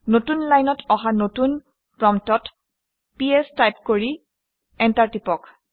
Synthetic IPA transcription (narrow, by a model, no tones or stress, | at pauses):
notunlajnɔtʰɔɦanotun | pɹɔmtɔt | piɛstajpkoɹi | ɛntaɹtipɔk